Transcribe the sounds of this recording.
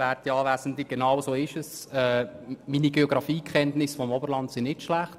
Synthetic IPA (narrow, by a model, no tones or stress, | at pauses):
ærtiɑːvæːsən̩dliɡ̥enɑwsoːɪʃəsɛːminiɡeɔɡɾɑfiːkʰχɛntnɪsfɔmɔbəɾlɑntsɪnɪtʃlæχt